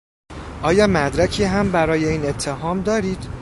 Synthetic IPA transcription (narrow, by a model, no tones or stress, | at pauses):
ʔɒːjɒːmæd̪ɾæcʰiːɦæmbæɾɒːje̞iːne̞t̪ʰːe̞ɦɒːmd̪ɒːɾiːd̪̥